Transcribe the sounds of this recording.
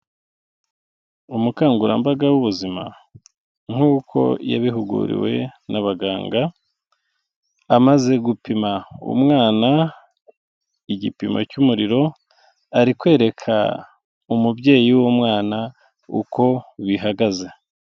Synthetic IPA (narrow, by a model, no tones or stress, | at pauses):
umukaːŋɡuɾa̰mbaɡawuβuzima̰ | ŋ̥uːkʰo̞̰ja̰βiɦuɡṵɾḭwe̞̰nʔaβaɡaːŋɡa | amaze̞ɡupimaṵmŋaːna | iɟipimʔa̰cumuɾiɾo̞ | aɾikwe̞ːɾe̞kʰa̰ | umubɟe̞ːjiwomŋaːna | ṵko̞βiɦaɡaze̞